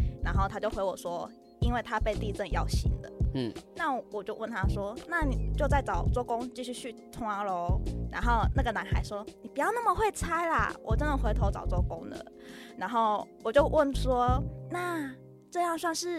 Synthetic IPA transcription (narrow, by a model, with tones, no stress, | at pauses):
na˧˥nxo˥˩ʊt̪ʰa˥t͡ɕjo˥˩ʊxwe˧˥ɪwɔ˨˩ʂwɔ˥ | i˥nwe˥˩ɪt̪ʰa˦˥pe˥˧ɪt̪i˥˧ʈ͡ʂə˥˧njɑ˥˩ʊɕḭ˧˥˦ŋd̪ə̰˨na˥˩wɔ˨˩t͡ɕjo˥˧ʊwə˥˩nt̪ʰa˥ʂwɔ˥na˥˩ni˨˩t͡ɕjo˥˧ʊt͡sa˥˩ɪt͡sɑ˨˩ʊt͡swɔ˥˩kʊ˥ŋt͡ɕi˥˧ɕy˥˧ɕʰy˥˩t̪ʰʊ˧˥ŋa˧˥lo˧˦ʊna̰˧˥nxo˥˧ʊna˥˩ɡə˩na˧˥nxa˧˥ɪʂwɔ˥ni˨˩pu˨˩jɑ˥˧ʊna˥˩mə˨˩xwe˥˩ɪt͡sʰa˥ɪlɐ̰˨wɔ˨˩ʈ͡ʂə˥nd̪ə˨˩xwe˧˥ɪt̪ʰo˧˥ʊt͡sɑ˨˩ʊt͡swɔ˥˩kʊ˥ŋd̪ə̰˨ | na˧˥nxo˥˩ʊwɔ˨˩t͡ɕjo˥˧ʊwə˥˩nʂwɔ˥na˥˩ | ʈ͡ʂɤ˥˧jɑ˥˧ŋswɑ˥˧ŋʂɻ̩˥˩